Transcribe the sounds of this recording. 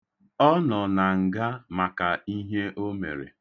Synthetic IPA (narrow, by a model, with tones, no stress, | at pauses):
ɔ˦nɔ˨na˨ŋ̩˨ɡa˦ma˨ka˨i˦ɦe˦ʔo˦mḛ˨ɾḛ˨